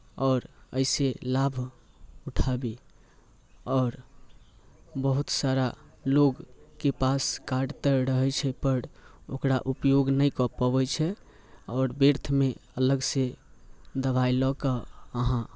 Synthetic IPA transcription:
ɔːɾə̰ɪselabʱ | uʈʰabi | ɔːɾ | bəɦut̪saɾaloɡkepaskaɖt̪əɾəɦɛt͡ʃʰɛpəɾo̰kɾaʔupjoɡnəjkɔpɔbɛt͡ʃʰɛ | ɔːɾbiɾt̪ʰmeələɡse | d̪əbajlɔkəəɦã

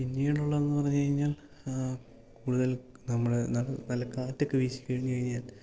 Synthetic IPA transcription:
pinːiuɽuɭːɐenːɨpɐrɐɲːukɐɻiɲːaːl | kuːɽuðɐl | nɐmːɐɽenɐlɐnɐlːɐkaːtːokːɨʋiːɕi̥kːɐɻiɲːukɐɻiɲːaːl

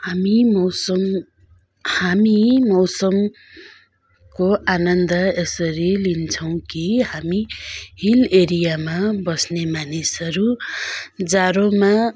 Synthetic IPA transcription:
hamimʌwsʌm | hamimʌwsʌm | koʔanʌnd̪ʌesʌɾilint͡sʰʌw̃kihamihileɾijamabʌsnemanisʌɾu | d͡zaɾoma

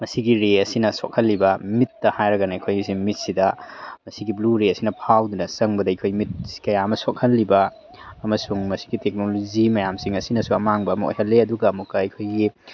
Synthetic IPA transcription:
mɐsiɡiɾeɐsinɐsok̚hɐlːibɐmitːɐhajɾɐɡɐnɐɐkʰojsimit̚sidɐmɐsiɡibluɾeɐsinɐpʰawdunɐsɐŋbɐdɐɐjkʰojmit̚si̥kɐjaɐmɐsok̚hɐlːibɐ | ɐmɐsuŋmɐsi̥ɡitek̚nolod͡ʒimɐjamsiŋɐsinɐsuɐmaŋbɐːmɐo̰jɦɐlːeɐduɡɐːmukːɐɐkʰojɡi

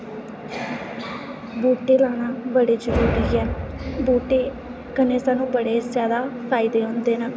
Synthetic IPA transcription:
buːʈeːlaːɽ̃aːbəɽeːd͡ʒəɾuːɾiːɛːbuːʈeː | kəneːsaːnũːbəɽeːzjaːd̪aːpʰaːɪd̪eːɦõːnd̪eːnaː

